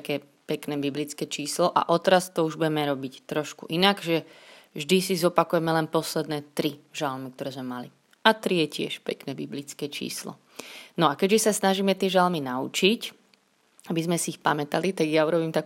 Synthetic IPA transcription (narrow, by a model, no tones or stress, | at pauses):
kɛː | pɛknɛːbiblit͡skɛːt͡ʃiːslɔʔa̰ʔɔt̪ɾast̪ɔuʒbuɟɛmɛɾɔbict̪ɾɔʃkṵʔinaɡʒɛ | vʒd̪isizɔpakujɛmɛlɛnpɔslɛd̪nɛːt̪ɾiʒalmik̚t̪ɔɾɛːzmɛmali | at̪ɾijɛcɪɛ̰ʃpɛ̰knɛːbiblit͡skɛːt͡ʃḭːslɔ̰ | nɔakɛɟʒɛsasnaʒiːmɛt̪ɪɛʒalminaut͡ʃic | abizmɛsiːxpamɛt̪alit̪aɡjauɾɔbiːmt̪ak